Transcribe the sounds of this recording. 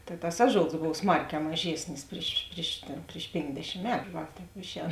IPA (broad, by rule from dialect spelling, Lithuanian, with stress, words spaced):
tɐɪ tɐs ˈɑːˌʒoːlˠs ˈboːw ˈsmɐrʲˌkʲɛː mɐˈʒʲeːsʲnʲɪs ˈpʲrʲɪʃ pʲrʲɪʃ tʲeːn pʲrʲɪʃ ˈpʲeːŋɡdʲɛʃʲɪm ˈmʲæːtʊ ˈʋɐ ˈtʲɛːp ˈɪʃʲˌɛːn